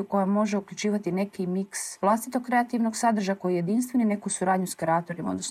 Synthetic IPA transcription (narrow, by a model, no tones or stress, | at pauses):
uko̞jamo̞ʒeukʎut͡ʃiːʋat̪ine̞kimiksʋlˠast̪it̪o̞kkɾe̞at̪iʋno̞ɡsad̪ɾ̩r̩ʒaako̞jije̞d̪inst̪ʋe̞nine̞kusuɾaːd̪ɲuskɾaːt̪oɾimaod̪nos